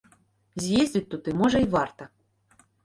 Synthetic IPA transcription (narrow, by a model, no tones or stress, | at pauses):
zʲjezʲdʲit̚ʲt̪ut̪ɨmoʒɐivɑrt̪ɐ